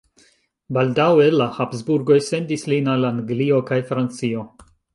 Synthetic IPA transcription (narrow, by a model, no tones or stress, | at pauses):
baldawelahapsbuɾɡo̞jse̞ndislinalaŋɡlio̞kajfɾant͡sio̞